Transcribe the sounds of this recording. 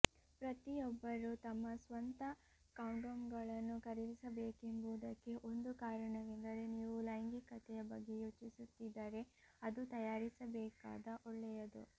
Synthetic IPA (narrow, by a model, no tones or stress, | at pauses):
pɾɐt̪ijɔbːɐɾut̪ɐmːɐsʋɐnt̪ɐ | kɐwɳɖomɡɐɭɐnːukɐɾiʋisɐbeːkembuːd̪ɐkːe̞ʔo̞nd̪ukaːɾɐɳɐʋend̪ɐɾeniːʋulɐjŋɡikɐt̪ʰɛjɐbɐɡːe̞juːt͡ʃisut̪ːid̪ːɐːɾe̞ɐd̪ut̪ɐjaːɾisɐbɛːka̰ːd̪ɐʔɔɭːɛjɐd̪ṵ